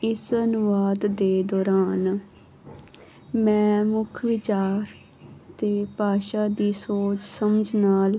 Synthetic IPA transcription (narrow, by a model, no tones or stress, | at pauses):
ɪsənʊʋaːd̪ːeːd̪ɔːɾaːn | mɛ̃ːmʊkʰʋɪt͡ʃaːɾ | t̪eːpaːʃaːd̪iːsoːt͡ʃsəməd͡ʒʱnaːl